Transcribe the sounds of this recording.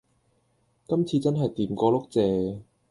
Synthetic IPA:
kɐ˥mt͡sʰiː˧t͡sɐ˥nɦɐ˨jt̪iː˨˩mkɔː˧lʊ˥k̚t͡sɛː˨˩

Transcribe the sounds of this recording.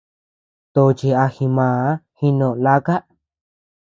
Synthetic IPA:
t̪o˧t͡ʃi˧a˧xĩ˧mãː˨˦hi˧nõ˧˨la˦ka˦ʔ

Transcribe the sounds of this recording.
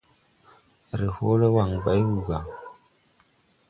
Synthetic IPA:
ɾe˨ho˦le˦wa˨ŋba˨˦jwu˨ɡa˨

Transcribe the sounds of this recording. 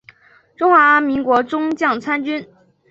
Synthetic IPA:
ʈ͡ʂʊ˥ŋxwa˧˥mi˧˥ŋkwɔ˧˥ʈ͡ʂʊ˥ŋt͡ɕjɑ˥˩ŋt͡sʰa˥nt͡ɕy˥n

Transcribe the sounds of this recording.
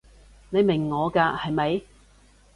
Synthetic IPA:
ne˨˧jmɪ˨˩ŋːɔː˨˧kaː˧hɐ˨jmɐ˨˧j

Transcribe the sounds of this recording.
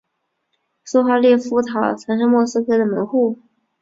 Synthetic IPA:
su˥˧xa˥˧ljɛ˥˩fu˥t̪ʰɑ˨˩ʊt͡sʰa˧˥nʂ̬ɤ˥ŋmwɔ˥˧sɹ̩˥kʰɤ˥d̪ə˨mə˧˥nxu˥˩

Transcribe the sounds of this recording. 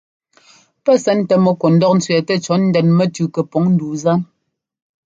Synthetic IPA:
pɛ˦sɛ˦n̩˦tɛ˨mɔ˨ko˨n̩˨˦dɔ˦k̚n̩˦t͡sɥɛ˨tɛ˦t͡ʃɔ˨˦n̩˦dɛ˨nmɛ˦tʉ˨kɛ˨pɔ˨˦ŋn̩˦duː˨za˦n

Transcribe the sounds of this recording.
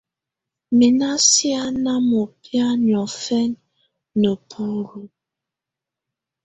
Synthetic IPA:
mi˨na˦sja˦na˦mo˨pja˦n˨ɔ˨fɛ˦nː | ə˨pʰu˦˨ɾu˨

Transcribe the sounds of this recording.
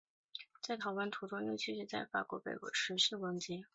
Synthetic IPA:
t͡sa˥˩ɪt̪ʰɑ˨˥ʊlə˥nt̪ʰu˧˥t̪ʊ˥ŋjy˥˧t͡ɕʰy˥˧ʂɻ̩˥˧t͡sa˥˩ɪfa̰˨˩kwɔ˧˥pe˨˩ɪkwɔ̰˧˥ʂɻ̩˧˥ʂɻ̩˥˩wə˧˥ŋt͡ɕi˧˥

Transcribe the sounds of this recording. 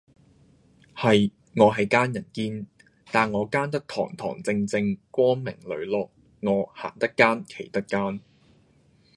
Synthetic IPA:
hɐ˨j | ŋɔː˨˧ɦɐ˨jkaː˥njɐ˨˩nkiː˧n | t̪aː˨˩nŋɔː˨˧kaː˥nt̪ɐ˥k̚t̪ʰɔ̰ː˨˩ŋt̪ʰɔ̰ː˨˩ŋt͡sɪ˧ŋt͡sɪ˧ŋkʷɔː˥ŋmɪ˨˩ŋlɵ̰˨˧ɥlɔː˨k̚ | ŋɔː˨˧ha̰ː˨˩nt̪ɐ˥kːaː˥nkʰe˨˩jt̪ɐ˥k̚kːaː˥n

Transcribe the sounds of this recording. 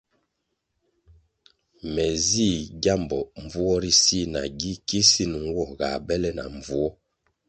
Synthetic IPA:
mɛ˨zi˦˨ɡja˦˨mbɔ˨ɱ˨vu˦ɔ˦ɾi˦si˦˨na̰˨ɡi˦ki˦si˦˨n˨ŋ˦wɔ˦˨ɡa˨bɛ˦lɛ˦na̰˨ɱ˨vu˦ɔ˦

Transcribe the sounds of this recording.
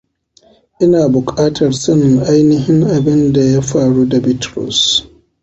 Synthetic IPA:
ʔɪ˦naː˨bʊ˨kʼaː˦tʰɐ˨rsɐ˦nɪ˨ŋʔa˦jnɪ˦ɦɪ˦ŋʔa˨bɪ˦nda˨ja˦ɸaː˨ɽuː˦da˨bɪ˦tɾɔ̰˨s

